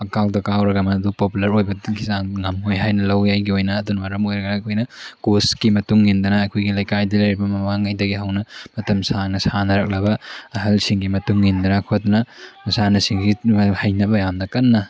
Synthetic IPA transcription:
ɐkaldɐkawɾɐɡɐmɐːdupopulɐɾojbɐkʰisanŋɐmojɦajnɐlɐwjajɡiojnɐːdunmɐɾɐmojɾɐɡɐakʰojnɐkoskimɐtuŋːindɐnɐːkʰojɡilɐjkajdɐlɐjɾibɐmɐmaŋɐjdɐɡiɦɐwnɐmɐtɐmsaŋnɐsanɐɾɐk̚lɐbɐɐɦɐlsiŋɡimɐtuŋːindɐnɐkʰot̚dnɐmɐsanɐsiŋɡihɐjnɐbɐjamnɐkɐnːɐ

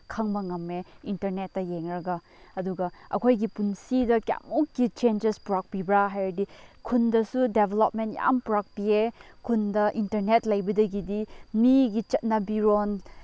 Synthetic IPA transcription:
kʰaŋbɐŋɐmeintɐɾnet̚ːɐjeŋɾɐɡɐ | ɐduɡɐɐ̰kʰojɡipunsidɐkja̰mukːit͡ʃend͡ʒespuɾak̚pibɾaɦajɾɐdikʰundɐsudebʱelop̚mentja̰mpuɾak̚piekʰundɐʔintɐɾnetlɐjbɐdɐɡidimiɡit͡ʃɐt̚nɐbiɾon

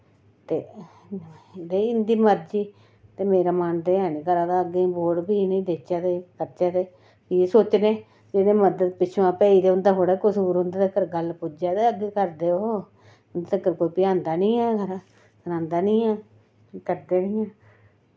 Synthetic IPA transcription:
t̪eː | d̪eɪnd̪iːməɾd͡ʒiː | t̪eːmeːɾaːmand̪eːaːneːɡəɾãːd̪aːəɡẽːboːɽbiːnĩːd̪eːt͡ʃaːd̪eːkəɾt͡ʃaːd̪eː | iesoːt͡ʃnẽː | d͡ʒeɽẽːməd̪əd̪pɪt͡ʃʰːãːpɛːiːd̪eːʊnd̪aːɦoːɽaːkʊsuːɾʊ̃nd̪aːd̪ekəɾɡəlpʊd͡ʒaːd̪eːəɡeːkəɾd̪eːooː | nd̪eːəkəɾkoːiːpɪãːnd̪aːnĩːɛːɡəɾa | kəɾãːnd̪aːnĩːɛː | kəɾd̪eːnĩːɛː

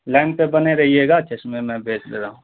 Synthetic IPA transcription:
lɛ̃ːɳɖ̚pebɐneɾɐɦieːɡaːt͡ʃesmẽmɛ̃bʱeːt͡ʃleːɾaːɦũː

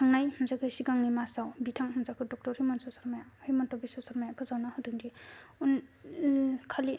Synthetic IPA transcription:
tʰaŋnajhɯnzakʰɯsiɡaŋnimasawbitʰaŋhunzakʰɯdɔk̚tɔɾhimɔnsɔsɔɾmajahimɔntʰɔbisɔsɔɾmajapʰɯzawnahɯduŋdiun | kʰali

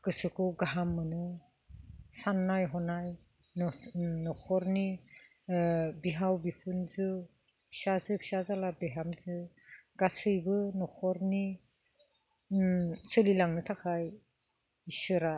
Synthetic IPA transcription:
kɯsɯkʰuɡaɦamːɯnɯ | sanːajɦɔnaj | nnɔkʰɔɾni | biɦawbipʰunzɯ | sazɯksazalabeɦamzɯ | ɡasɯjbɯnɔkʰɔɾni | sɯlilaŋnɯtʰakʰaj | isɯɾa

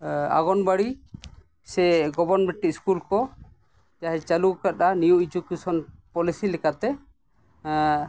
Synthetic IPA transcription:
a̰ɡɔnbaɽi | sɛɡɔbɔnbɛʈːiskulkɔ | d͡ʒaɦɛt͡ʃalukat̪aniuid͡ʒukusɔnpɔlisilɛkat̪ɛ

